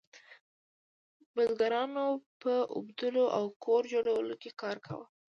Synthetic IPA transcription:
bəzɡaɾɑnopəʔʊ̰bd̪əloʔawkʰoɾd͡ʒoɽawəlokekɑɾkʰa̰wə

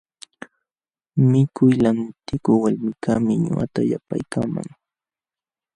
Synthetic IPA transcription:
mɪkʊjlaŋt̪ɪkʊwaʎmɪkʰamɪɲʊ̰a̰t̪ajapa̰jkama̰ŋ

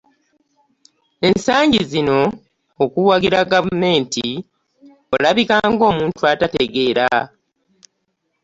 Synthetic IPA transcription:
e̞nsaːɲɟizino̞ː | kuwaɡiɾaɡavume̞ːnti | o̞laβikaːŋɡo̞ːmuːntuatate̞ɡe̞ːɾa

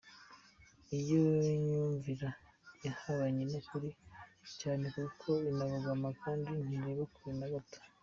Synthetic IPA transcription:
ijoɲuːɱviɾajahaβaɲenokuɾicaːne̞kukʰo̞inaβaɡamakaːndin̥iɾeβekuɾinaɡatḁ

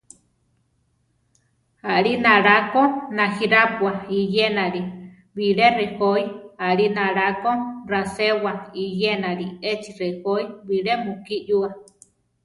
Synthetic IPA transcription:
aɾinaɾakonahiɾapwaijenaɾi | βiɺerehoiaʔɾinaɾakorasewaijenaɾiet͡ʃirehoiβiɺemukiʔjua

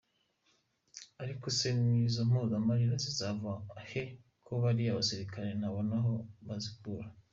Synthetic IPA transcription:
aɾiko̞se̞nizo̞m̥ozamaɾiɾozizavahe | kʰoβaɾiaβasiɾikaɾe̞naβo̞naɦo̞βaziɡuːɾa

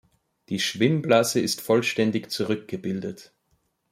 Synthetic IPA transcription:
d̥iːʃv̥ɪmblasəɪstfɔlʃtɛndɪçt͡suʁʏk̚ɡ̥əbɪldət

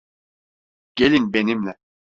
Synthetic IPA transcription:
ɟ̥elʲinbenimlʲɛ

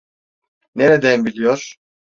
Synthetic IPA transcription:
neɾed̪ænbilʲijoɾ̥

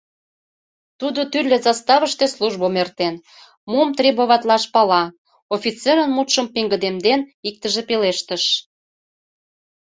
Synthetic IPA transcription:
t̪ud̪ot̪ylʲːezɑst̪ɑβəʃt̪esluʒbomert̪en | momt̪ɾʲeboβɑt̪lɑʃpɑlɑ | ofʲit͡seɾənmut̪ʃəmpeŋɡəd̪emd̪enik̚t̪əʒepeleʃt̪əʃ

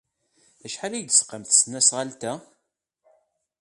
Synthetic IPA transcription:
æʃħalæjəd̪sqːamθsnæsʁalt̪æ

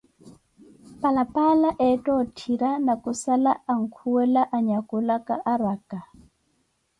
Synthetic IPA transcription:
palapalaʔɛtɔtʰiɾanakusalaaŋ̩kʰuwɛlaʔaɲakulakaʔaɾaka

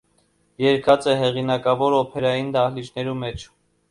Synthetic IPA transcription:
jɛɾkʰɑt͡sɛɦɛʁinɑkɑvɔɾɔpʰɛɾɑjind̪ɑhlit͡ʃʰnɛɾumɛt͡ʃʰ

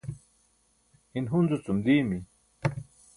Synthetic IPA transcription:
inɦunzut͡sumliːmi

